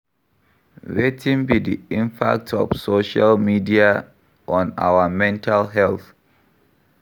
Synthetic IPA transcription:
ɹetʰĩnbidiĩmpʰa̰k̚tʰɔ̰fsoʃalmidia | ʔɔ̃na̰wəmɛ̃ntʰalɦɛlθ

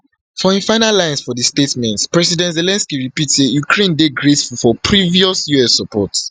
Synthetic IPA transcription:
fɔĩfaɪnalãɪ̃nsfɔdistetmɛ̃ntpɹɛsidɛ̃ntzelɛ̃nskiɹipitsejukʰɹẽndeɡɹetfulfɔpʰɹiviɔsjuɛsɔpʰɔt

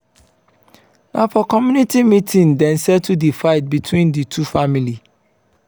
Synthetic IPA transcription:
nʔãfɔkʰɔmjunitimĩtʰĩndɛ̃nsɛd̚tʰudifaɪt̚bitʰwĩnditʰufamili

